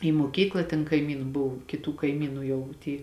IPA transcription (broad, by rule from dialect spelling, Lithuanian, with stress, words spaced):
iː muɔˈkʲiːklˠɐ tʲɛn kɐɪˈmʲiːnʊ ˈbʊw kʲɪˈtuː kɐɪˈmʲiːnʊ ˈjɛʊ ˈtʲiː